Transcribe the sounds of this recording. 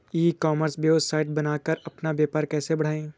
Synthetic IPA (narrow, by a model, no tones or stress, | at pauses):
iːkɔːməɾsbjoːsaːɪʈ̚bɐnaːkəɾɐpnabjaːpaːɾkɛːsebɐɽ̤aːẽː